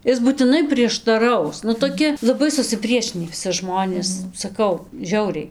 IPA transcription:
ˈɪs buːtʲɪˈnɐɪ pʲrʲiɛʃtɐˈrɐʊs nʊ toːˈkʲɪ lˠɐˈbɐɪ sʊsʲɪˈpʲrʲiɛʃʲɪnʲiː ʋʲɪˈsʲɪ ˈʒmoːnʲeːs sɐˈkɐʊ ˈʒʲɛʊrʲɛɪ

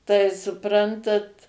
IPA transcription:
tɐɪ sʊˈprɐntɐt

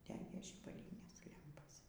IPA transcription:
ˈdʲæːɡʲeː ʒʲiːbɐˈlʲiːnʲeːs ˈlʲɛmpoːs

